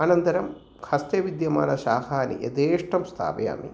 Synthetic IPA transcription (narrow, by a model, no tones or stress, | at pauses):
aːnɐnt̪ɐɾɐm | kʰɐst̪eʋid̪jɐmaːnɐʃaːhaːnḭʔḛd̪eːʂʈɐmst̪ʰa̰ːpɐja̰ːmḭ